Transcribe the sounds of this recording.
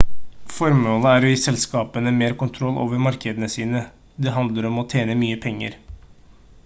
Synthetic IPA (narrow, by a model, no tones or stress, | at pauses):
fɔɾmoːləæɾɔɪsɛlskɑːpənəmeːɾkʊnt̪ʰɾɔlːʔo̰ːʋəɾmɑɾkəd̪ənəsiːnə | d̪ɛɦɑnd̪ləɾɔmɔt̪ʰeːnəmyːəpʰɛŋːə̰ɾ